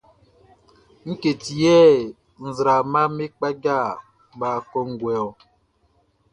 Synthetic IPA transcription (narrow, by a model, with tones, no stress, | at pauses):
ŋ̩˦ke˨ti˨jɛː˦ | n̩˨zɾa˨ma˦me˦k͡pa˦ɡa˦˨ | baː˨kɔ˦ŋ̩˦ɡwɛ˨ɔ˨